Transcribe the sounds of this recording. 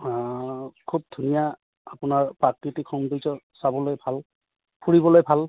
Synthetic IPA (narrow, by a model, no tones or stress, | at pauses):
kʰub̚dʱunija | apʊnaɹpɹakɹitikʰɔnduzɔsabɔlojbʱal | pʰuɹibɔlojbʱal